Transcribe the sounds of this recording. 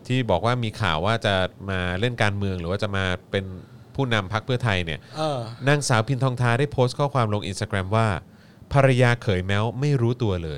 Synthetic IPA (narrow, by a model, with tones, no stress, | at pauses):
t̪ʰiː˥˩bɔː˨˩k̚waː˥˩miː˧kʰa̰ː˨˩waː˥˩t͡ɕa˨˩maː˧le˥˩nkaː˧nmɯ˧əŋɾɯː˩˦waː˥˩t͡ɕa˨˩maː˧pe˧npʰuː˥˩na˧mpʰa˦˥k̚pʰɯ˥˩ɐt̪ʰa˧jni˥˩ɐ˧na˥˩ŋsaː˩˦wpʰi˧nt̪ʰɔː˧ŋt̪ʰaː˧˥daː˥˩jpʰoː˦˥st̪̚kʰɔː˥˩kʰwaː˧mlo˧ŋʔi˧nst̪aː˧kɾɛ˧mwaː˥˩ | pʰa˧ɾa˧jaː˧kʰɤː˩˦jmɛː˦˥wma˥˩jɾuː˦˥t̪u˧ɐlɤː˧j